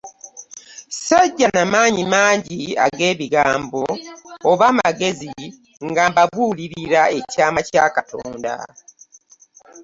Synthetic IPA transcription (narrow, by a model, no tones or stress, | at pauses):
saɟːanamaːɲimaːɲɟia̰ɡe̞ːβiɡaːmbo̞ːβamaɡe̞zi | ŋɡabaβuːliɾiɾae̞caːmacaːkatʰo̰ːnda̰